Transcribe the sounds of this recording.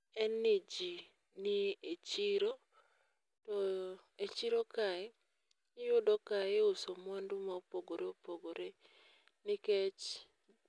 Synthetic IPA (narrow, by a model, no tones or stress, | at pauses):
ɛnːid͡ʒi | niet͡ʃiɾo | tɔ | et͡ʃiɾokaɪ | jʊdɔkaeʊsomɔndumaopoɡoɾeopoɡoɾe | nɪkɛt͡ʃ